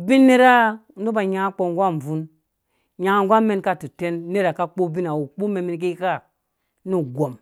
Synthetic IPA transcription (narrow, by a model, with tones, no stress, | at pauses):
bi˦nːe˦ɾa˦˨˦ | nu˦ba˨ɲa˨˦k͡po˨ŋ˦ɡʷa˦m̩˨vu˦n | ɲa˨ŋ˨ŋ˦ɡʷa˦me˦nka˦˨tu˨te˦nːe˦ɾa˨ka˦k͡po˦bi˦na˨wu˨k͡pu˦me˨mi˨˦nk̬i˦ka˦ | nu˦ɡʷo˨m